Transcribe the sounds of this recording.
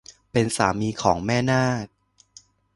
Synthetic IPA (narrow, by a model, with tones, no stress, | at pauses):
pe˧nsaː˩˦miː˧kʰɔː˩˦ŋmɛː˥˩naː˥˩k̚